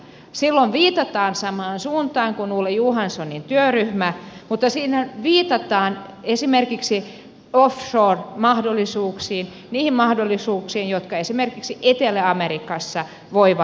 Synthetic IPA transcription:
silːoʋʋiːt̪ɑt̪ɑːnsɑmɑːnsuːnt̪ɑːŋkunuːlːejuhɑnsonint̪yøryhmæmut̪ːɑsiːnæʋiːt̪ɑt̪ɑːnesimerkiksi | ofʃoːrmɑhdolːˑisuːksiːn | niːhimmɑhdolːisuːksiːnjot̪kɑesimerkiksiʔet̪eleɑmerikɑsːɑ | ʋoiʋɑ

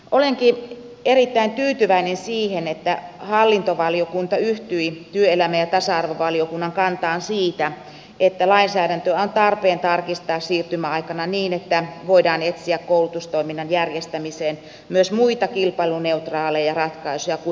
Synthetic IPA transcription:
ʔoleŋki | erit̪ːæint̪yːt̪yʋæinensiːhenet̪ːæhɑlːint̪oʋɑliokunt̪ɑyht̪yit̪yøelæmæjɑt̪ɑsɑɑrʋoʋɑliokunːɑŋkɑnt̪ɑːnsiːt̪æ | et̪ːælɑinsæːɾænt̪øæont̪ɑrpeːnt̪ɑrkist̪ɑːssiːrt̪ymæɑikɑnɑniːnet̪ːæʋoidɑːnet̪siækkoulut̪ust̪oiminːɑnjærjest̪æmiseːn | myøsmuit̪ɑkilpɑiluneut̪rɑːlejjɑrɑt̪kɑisujɑku

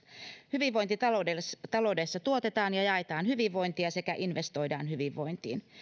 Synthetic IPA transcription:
hyʋiʋːo̞jnt̪it̪ɑoet̪ɑlo̞wde̞sːɑt̪uo̞t̪e̞t̪ɑːnjɑjɑet̪ɑːnɦyʋiʋːo̞jnt̪iɑse̞kæʔinʋe̞st̪o̞jdɑ̰ːnhyʋiʋːo̞jnt̪ḭːn

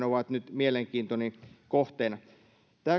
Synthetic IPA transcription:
noʋɑt̪nyt̪mieleŋkiːnt̪onikoht̪eːnɑ | t̪æː

